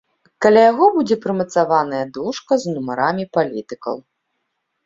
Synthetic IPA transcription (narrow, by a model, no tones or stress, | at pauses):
kalʲajaɣɔbud͡zʲɛpɾɨmɐt̪savanɐjɐd̪uʂkɐznumaɾamʲipalʲit̪ɨkɐ̰w